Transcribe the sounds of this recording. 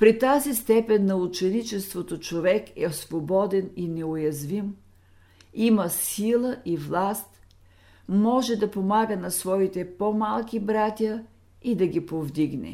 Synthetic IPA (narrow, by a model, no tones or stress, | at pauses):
pɾit̪azist̪ɛpɛnːɐut͡ʃɛnit͡ʃɛst̪vot̪ot͡ʃovɛkɛsvobɔd̪ɛninɛojɐzvim | imɐsilˠəʔivlˠast̪ | mɔʒɛd̪ɐpomaɡənɐsvɔit̪ɛpomalˠkʲibɾat̪ʲə | id̪ɐɡʲipovd̪iɡnɛ̰